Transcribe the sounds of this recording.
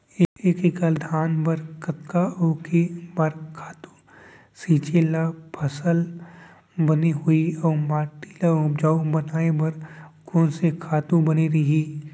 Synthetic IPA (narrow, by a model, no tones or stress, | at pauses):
eeːkikald̪ʱaːnbɐɾkət̪kaoːkʰebaɾkʰaːt̪u̥ | siːt͡ʃelapʰɐsəl | bɐniɦʊiɔːmaːʈilaʊpd͡ʒaːubɐnaːebɐɾkoːnsekʰaːt̪ũbɐniɾɐɦiː